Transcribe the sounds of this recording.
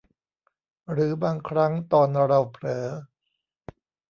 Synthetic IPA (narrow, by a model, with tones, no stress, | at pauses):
ɾɯː˩˦baː˧ŋkʰɾa˦˥ŋt̪ɔː˧nɾa˧wpʰɾɤː˩˦